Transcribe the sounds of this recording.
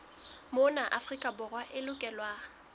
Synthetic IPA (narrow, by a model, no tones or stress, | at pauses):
mʊnaʔa̰frikʼabʊrwaʔɪlʊkʼɛlwaː